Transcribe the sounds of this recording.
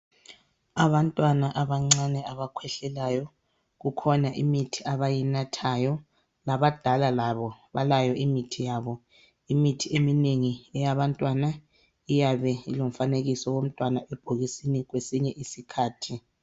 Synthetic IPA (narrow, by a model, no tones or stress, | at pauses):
aβantʼwanaʔaβaŋ͡ǀanɛaβakʰwɛɬɛlajɔ | ɣukʰɔnaʔimitʰiaβajinatʰajɔ | laβad̥ʱalalaβɔβalajɔʔimitʰijaβɔ | imitʰiemineŋiɛjaβantʼwana | ijaβɛilom̩faneɣisɔwom̩tʼwanaʔɛb̥ʱoɣisiniɣwesiɲɛʔisikʰaːtʰi